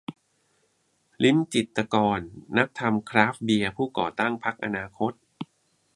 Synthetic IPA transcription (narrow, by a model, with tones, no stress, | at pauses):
li˦˥nt͡ɕi˨˩t̪ːa˧kɔː˧nːa˦˥k̚t̪ʰa˧mkʰɾaː˦˥fbi˧ɐpʰuː˥˩kɔ̰ː˨˩t̪a˥˩ŋpʰa˦˥k̚ʔa˧naː˧kʰo˦˥t̪̚